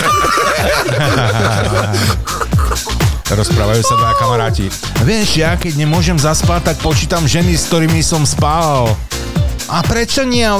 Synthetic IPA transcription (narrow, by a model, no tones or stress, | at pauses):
ɾɔspɾaːʋajuːsad̪akamaɾaːcḭ | ʋɪɛʃjakɛɟɲɛmʊɔʒɛmzaspaːt̪ak̚pɔt͡ʃiːt̪amʒɛnisk̚t̪ɔɾiːmisɔmspaːlal | ʔapɾɛt͡ʃɔɲɪɛa